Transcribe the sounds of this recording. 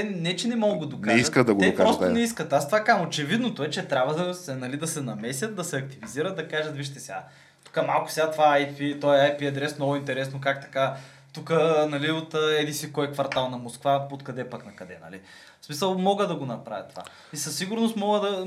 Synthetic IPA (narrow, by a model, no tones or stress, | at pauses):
t̪ɛnɛt͡ʃɛnɛmɔɡəd̪oknaɛiskəd̪ɐɡod̪ɛkpaɔst̪onɛiskət̪ast̪ovakamot͡ʃɛvid̪not̪oɛt͡ʃɛt̪ɾʲabvəd̪ɐsɛnɐlid̪ɐsɛnɐmɛsʲjət̪̚d̪ɐsɛɐk̚t̪iviziɾət̪̚d̪ɐkaʒɐt̪viʃt̪ɛsʲɛɡa | t̪u̥kəmalˠkʊ̥sɛat̪ovaajfit̪ɔɛajpiɐd̪ɾɛsnɔɡʊint̪ɛɾɛsnokakt̪ɐ̥ka | t̪ukənɐliot̪əɛd̪insikɔɛkvɐɾt̪alˠnɐmoskvaot̪kɐd̪ɛpaknɐkɐd̪ɛnɐ̰lḭ | smisəlˠmɔɡəd̪ɐɡonɐpɾa̰vʲə̰t̪ːo̥va̰ | isɐsːiɡʊɾnost̪mɔɡəd̪ɐ